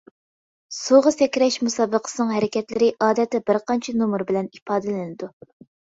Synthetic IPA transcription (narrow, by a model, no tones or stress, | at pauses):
suʁɑsɛkʲɾɛʃmusɑːbəqʰə̥sɨnɨŋɦæɾɪkʲʰɛt̪lɪɾɪʔɑːd̪ɛt̪ːɛbɪɾqɑnt͡ʃʰɛnumuɾbɪlɛnipɑːd̪ɨlɪnɪd̪u